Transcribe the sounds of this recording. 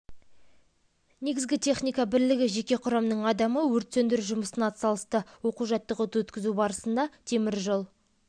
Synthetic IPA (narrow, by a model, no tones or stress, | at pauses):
ne̞ɡʲɪzɡʲɪt̪ʰe̞χnijkɑbɪɾlɪɡʲɪʒe̞kʲe̞qʰʊɾɑmnəɴɑd̪ɑməwɵɾt̪send̪ɪɾʒʊməsənɑt̪sɑlˠəst̪əwo̞quʒɑt̪ːəqot̪uwɵt̪kʲɪzubɑɾəsənd̪ɑt̪ʰe̞mɪɾʒolˠ